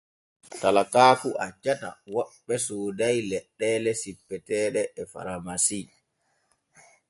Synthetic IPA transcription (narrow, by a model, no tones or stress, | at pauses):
talakaːfuʔad͡ʒata̰wɔɓːɛsoːdajlɛɗːɛlɛsipːɛtɛːɗɛʔɛfa̰ɾamasi